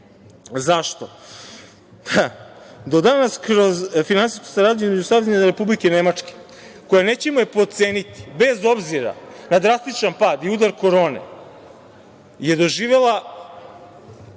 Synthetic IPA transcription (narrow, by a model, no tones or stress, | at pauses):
zaʃt̪o̞ | ad̪o̞d̪anaskɾo̞zfinansisko̥saɾaːd̪ɲeizmed͡ʑusaʋeɲɲaɾe̞publike̞ne̞mat͡ʂke̥ | ko̞jane̞ːt͡ɕemojepo̞t̪seːnit̪i̥be̞zo̞bziɾa̰nad̪ɾast̪it͡ʃanpaːd̪iud̪aɾko̞ɾo̞ːnḛ | je̞d̪o̞ʒiːʋe̞lˠa